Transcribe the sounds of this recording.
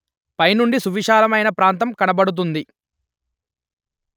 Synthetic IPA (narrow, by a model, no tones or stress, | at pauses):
pɐjnuɳɖisuʋiʃaːlɐmɐjnɐpɾaːnt̪̬ɐmkɐnɐbɐɽut̪̬und̪i